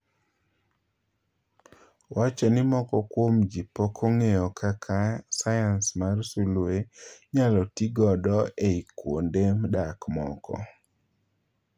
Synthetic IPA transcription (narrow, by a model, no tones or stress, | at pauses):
wat͡ʃɔnɪmɔkɔkwomd͡ʒipokʰoŋejɔkʰakʰasajansmarsulueɲalɔtiɡɔdɔeikwo̰ndemdakmɔ̰kɔ̰